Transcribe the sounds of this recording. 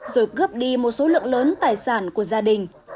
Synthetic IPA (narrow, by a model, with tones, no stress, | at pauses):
zo˧˩jɣɨ˦˥əp̚ɗi˧mo˨˩t̚so˨˦lɨ̰˧˨əŋləː˨˦nt̪aː˨˩jsaː˧˩nku˧˩əzaː˧ɗï˨˩ŋ̟